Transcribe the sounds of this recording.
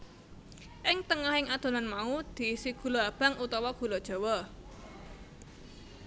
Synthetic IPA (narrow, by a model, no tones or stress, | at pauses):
ʔɪŋt̪əŋahɪŋad̪̥o̤nanmaud̪̥i̤siɡ̥ṳloab̥a̤ŋut̪ɔwɔɡ̥ṳlɔd̥ʒ̥ɔ̤wɔ